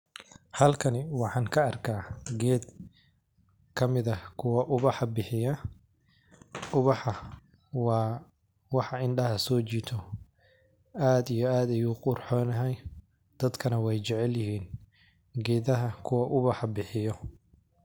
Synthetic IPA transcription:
hɐlkʰɐnɪwɑħɑːŋkʰɐːrkʰaːɡɛːd̪ | kʰɐmɪðɐkʰʊwɐʔʊβɑħɑbɪħɪjɐ | ʊβɑħɑ | wɑː | wɑħɑɪɳɖɐɦɐsɔːt͡ʃiːt̪ʰɔ | aːd̪ijɔaːd̪ɐjuːqʊrħɔːnɐɦɛj | d̪̥ɐd̪kʰɐnɐwɛjt͡ʃɛʕɛljɪhiːn | ɡɛːðɐɦɐkʰʊwɐʔʊβɑħɑbɪħɪjɔ

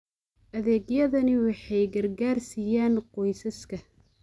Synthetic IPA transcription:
ʔɐðɛːɡjɐðɐnɪwɑħɑjɡɐrɡaːrsijaːnqɔjsɐskʰɐ

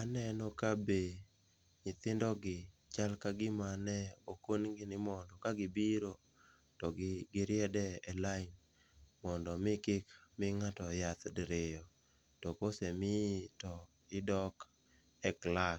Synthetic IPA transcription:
anɛnɔkabe | ɲɪt̪ɪndɔɡɪt͡ʃalkaɡɪmanɛokonɡɪnɪmɔndɔkaɡɪbiɾo | tɔɡɪɡɪɾɪɛdɛɛlaɪn | mɔndɔmɪkɪkmɪŋatɔjat̪dɾɪjɔ | tɔkosɛmɪtɔ | ɪdɔk | ɛklas

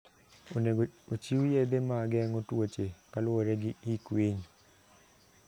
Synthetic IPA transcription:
not͡ʃiwujed̪emaɡɛŋɔtwot͡ʃekalwoɾɛɡɪikweɲ

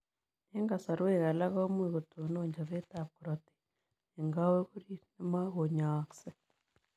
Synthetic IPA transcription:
neŋɡasaɾweːɣalaɣaomweɣotonoːɲd͡ʒaβetapuɾoti̥ | eŋɡaweɣuɾinemaɣoɲakse

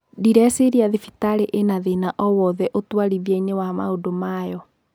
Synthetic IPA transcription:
diɾɛseɾiaðifitaɾeʔenaðenaʔɔwɔðɛʔotwaɾiβjɛɲewama̰odomajɔ

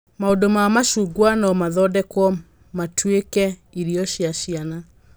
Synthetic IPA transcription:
maodomamaʃuːɡwanɔmaðɔdɛkwɔ | matʰwekɛiɾiɔʃiaʃiana

